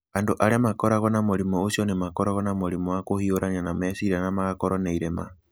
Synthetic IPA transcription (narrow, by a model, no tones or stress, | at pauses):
andoʔaɾɛmakɔɾaɣɔnamoɾimɔosjɔnemakɔɾaɣɔnamoɾimɔwakohioɾaɲanamɛsiɾanamaɣakɔɾɔneiɾema̰